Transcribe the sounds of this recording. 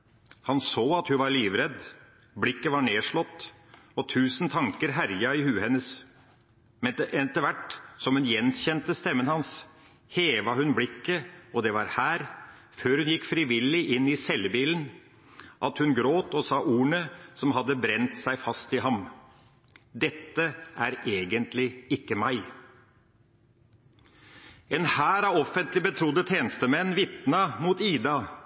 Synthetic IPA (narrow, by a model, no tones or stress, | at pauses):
hɑnsoːɑt̪hʉnʋɑɾɭiːʋɾɛd̪ | blɪkːəʋɑɳeːʂɭɔt̪ː | ɔt̪ʰʉːsnt̪ʰɑŋkəɾɦæɾjɑɪhʉːhɛnːəs | mɛɛɛt̪əɾʋæʈːsɔmhʉnjɛnçɛnt̪əst̪ɛmːənhɑns | heːʋɑhʉnblɪkːəɔd̪ɛʋɑɾhæːɾ | føːɾhʉnjɪkːfɾɪʋɪlɪʔɪnːɪsɛlːbiːlən | ʔɑt̪hʉnɡɾoːt̪ɔsɑːʔuːɳəsɔmɦɑd̪ːəbɾɛnt̪sæɪfɑst̪ɪɦɑm | d̪ɛt̪ːəʔæɾeːɡənt̪lɪɪkːəmæɪ | ɛnhæːɾɑʋɔfənt̪lɪbət̪ʰɾʊd̪ət̪ʰeːnst̪əmɛnːʋɪt̪nɑmuːt̪iːd̪ɑ